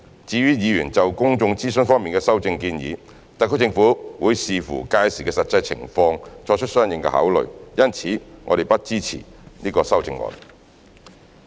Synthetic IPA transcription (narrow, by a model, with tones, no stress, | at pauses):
t͡siː˧ɥyː˥jiː˨˧ɥyː˨˩nt͡sɐ˨wkʊ˥ŋt͡sʊ˧ŋt͡siː˥sɵ˥nfɔː˥ŋmiː˨nkɛː˧sɐ˥wt͡sɪ˧ŋkiː˧njḭː˨˧ | t̪a˨kʰɵ˧˥t͡sɪ˧ŋfuː˨˥wuː˨˧jsiː˨fṵː˨˩kaː˧jsiː˨˩kɛː˧sɐ˨t̚t͡sɐ˧jt͡sʰɪ̰˨˩ŋfɔː˧ŋt͡ʃʰɔː˧t͡ʃʰt̚sœː˥ŋjɪ˨ŋkɛ̰˧ha̰˨˥wlɵ̰˨ɥjɐ˥nt͡sʰiː˨˥ŋɔː˨˧ɾe˨˩jpɐ˥t̚t͡siː˥t͡sʰḭ˨˩niː˥kɔː˧sɐ˥wt͡sɪ˧ŋɔ̰˧n